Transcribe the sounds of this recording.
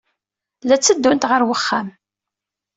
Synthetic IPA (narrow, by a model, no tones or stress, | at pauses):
læt͡sːəd̪ːunt̪ʁəɾwəχːæm